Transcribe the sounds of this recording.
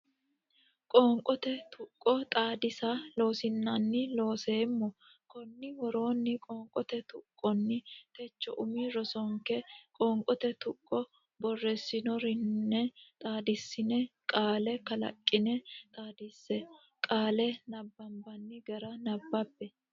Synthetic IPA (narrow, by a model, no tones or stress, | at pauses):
kʼoːŋkʼɔt̪ɛt̪ʰʊkʼːɔt̪ʼaːd̪ɪsalo̞ːsɪnːɐnːɪlo̞ːseːmːɔ | kɔnːɪwɔɾo̞ːnːɪkʼoːŋkʼɔt̪ɛt̪ʊkʼːɔnːɪt̪ɛt͡ʃːɔ̰ʔʊmiːɾɔsɔŋkɛkʼoːŋkʼɔt̪ɛt̪ʊkʼːɔ | bɔrːɛsːɪnɔɾɪnːɛt̪ʼaːd̪ɪsːɪnɛkʼaːlɛkɐlɐ̰kʼːɪnɛt̪ʼaːd̪ɪsːɛ | kʼaːlɛnɐbːɐmbɐnːɪɡɐɾɐnɐbːɐbːɛ